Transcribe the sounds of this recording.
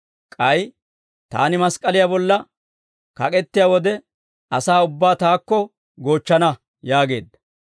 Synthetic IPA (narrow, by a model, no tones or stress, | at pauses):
kʼɐj | t̪a̰ːnɪmɐskʼɐlɪjabɔlːɐ | kɐ̰kʼɛt̪ːɪjawɔd̪ɛ | ɐsaːʊbːaːt̪aːkːɔ | ɡo̞ːt͡ʃːɐnɐ | jaːɡe̞ːd̪ːɐ̥